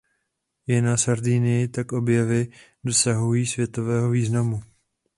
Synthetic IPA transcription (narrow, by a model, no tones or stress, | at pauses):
jɪnasaɾdiːnɪjɪt̪akʔo̞bjɛvɪdo̞saɦujiːsvjɛt̪o̞vɛːɦo̞viːznamu